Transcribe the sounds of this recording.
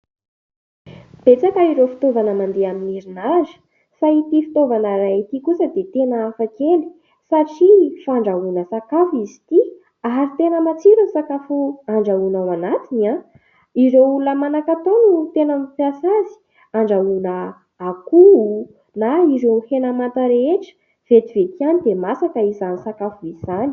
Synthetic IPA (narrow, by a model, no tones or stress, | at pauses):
b̥et͡sakəiɾofi̥t̪ovanəmand̪eaminiɾinazi̥ | sait̪ifi̥t̪ovanəɾait̪ikusəd̪et̪enəːfakeni̥ | saʈ͡ʂifaɳɖ͡ʐaunəsakafizi̥t̪i | aɾit̪enəmat͡siɾusakafuaɳɖ͡ʐaunawanat̪ina | iɾeulunəmanakat̪onut̪enamipiasazi̥ | aɳɖ͡ʐaunəː | kuu | naiɾehenamant̪əɾeeʈ͡ʂə̥ | v̥et̪ivek̪ianid̪emasakəizanisakafuiz̥ani